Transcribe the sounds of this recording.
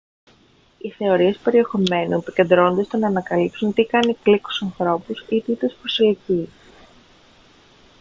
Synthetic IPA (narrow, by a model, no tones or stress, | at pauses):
iθe̞o̞ɾie̞spe̞ɾie̞xo̞me̞nuepice̞nd̪ɾo̞nd̪est̪o̞nɐːnɐkɐlipsunt̪ikɐnikliku̥sɐnθɾo̞pusit̪it̪espɾosilici